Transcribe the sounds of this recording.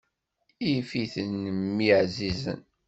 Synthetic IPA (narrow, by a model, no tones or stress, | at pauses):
ifiθənːəmːiʕzizə̰n